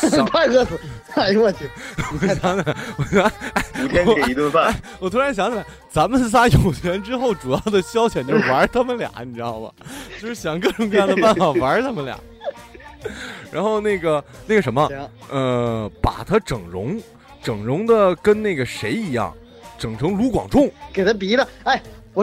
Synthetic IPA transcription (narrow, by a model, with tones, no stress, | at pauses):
pa˥˧ɪkɤ˥s̩˨˩a˥˩˥wə˥˩nt̪ʰwɔ˨˩˨ɕjɑ˧˥ŋ˨˩wɔ˨˩ɕa˥˩ɪu˨t̪ɛ˥˨i˧˥t̪wə˥˧fa˥˩a˥˩ɪwɔ˨˩t̪ʰu˥ɻa˧˥nɕ̬jɑ˧˥ŋt͡ɕ | t͡sa˧˥nmə˨ns̬a˥jo˨˩ʊt͡ɕʰɥɛ˧˥nʈ͡ʂɻ̩˥xo˥˩ʊʈ͡ʂu˨˩jɑ˥˩ʊd̪ə˩ɕjɑ˥ʊt͡ɕʰjɛ˨˩nt͡ɕjo˥˩wa˧˥t̪ʰa˥mə˨nljɑ̰˨˩˦ŋni˨˩ʈ͡ʂɻɑ˥˩ŋlə̰˩t͡ɕo˥˧ʊʂɻ̩˥˩ɕjɑ˨˩ŋkɤ˥˩ʈ͡ʂʊ˨ŋk̬ɤ˥˧jɑ˥˩d̪əpa˥˩nfa˨˩wa˧˥t̪ʰa˥mə˨nljɑ̰˨˩˦ | ɻa̰˧˥nxo˥˧ʊna˥˩ɪɡə˩na˥˩ɡə˩ʂ̬ə˧˥nmə˧ə˧pa̰˨˩t̪ʰa˥ʈ͡ʂɤ˨˩ŋɻʊ̰˧˥ŋ | ʈ͡ʂɤ˨˩ŋɻʊ˧˥ŋd̪ə˧kə˥nna˥˩ɡə˩ʂe˧˥ɪi˧˥jɑ̰˥˩ŋ | ʈ͡ʂɤ˨˩ŋʈ͡ʂʰɤ˧˥ŋlu˧˥kwɑ̰˨˩ŋʈ͡ʂʊ˥˩ŋke˨˩ɪt̪ʰa˥pi˧˥d̪ə˧a˥˩ɪwɔ˨˩